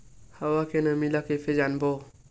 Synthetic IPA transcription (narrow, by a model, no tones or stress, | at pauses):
hawakenamilakefed͡ʒanbo